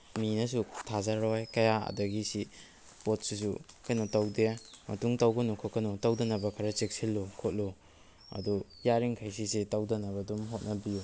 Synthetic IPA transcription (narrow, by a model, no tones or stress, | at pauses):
minɐsutʰazaɾɔjkɐjaɐ̰dɐɡisi | pot̚sis̬ukajnotawdemɐ̰tuŋtawɡɐnukʰokɐnutawdɐnɐbɐkʰaɾɐt͡ʃek̚silːokʰot̚lo | ɐ̰dujaɾiŋkʰajs̬is̬etawdɐnɐbɐdumɦot̚nɐbiju